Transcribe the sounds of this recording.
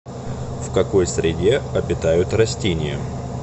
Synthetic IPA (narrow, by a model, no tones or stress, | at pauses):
fkɐko̞jsɾʲɪdʲe̞ɐbʲɪt̪ajʊt̪rɐsʲtʲenʲɪjə̰